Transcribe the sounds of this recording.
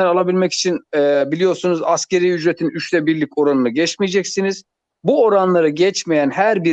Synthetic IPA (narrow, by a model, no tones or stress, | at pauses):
ænalˠabilʲmɛci̥t͡ʃʰinɛbilʲijo̞ɾsunuzasce̞ɾijyd͡ʒɾet̪ʰinyʃt̪ʰɛbiɾlʲico̞ɾanɯnɯɟɛt͡ʃmijɛd͡ʒɛcsiniz̥ | buo̞ɾanlˠaɾɯɟɛt͡ʃmejænhæɾbi